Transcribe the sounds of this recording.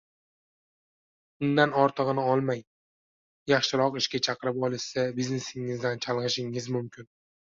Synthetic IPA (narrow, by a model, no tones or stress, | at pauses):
ʊnd̪anɒɾt̪ʰɨʁɨnɪɒlˠmaj | jɑχʃɪɾɒqɪʃkʲat͡ʃʰɑqɨɾɪpɒlˠɪʃsabizne̞sɪŋɪzd̪ant͡ʃʰalˠʁɨʃɪŋɪzmʊmkʲʰɪn